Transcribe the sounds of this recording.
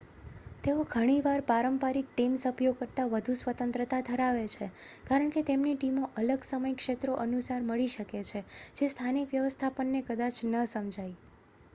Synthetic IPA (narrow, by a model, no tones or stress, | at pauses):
t̪eoɡʱəɽ̃iʋaɾpaɾəmpaɾik̚ʈimsəpjoɡ̚kəɾt̪aʋəd̪ʱusʋət̪ənt̪ɾət̪ad̪ʱəɾaʋet͡ʃʰekaɾəɳ̃ket̪emniʈimoʔələɡsəməjkʃet̪ɾoʔənusaɾməɭiʃəket͡ʃʰed͡ʒest̪ʰanikʋjəʋəst̪ʰapəɳːekəd̪at͡ʃnəsəmd͡ʒʱaj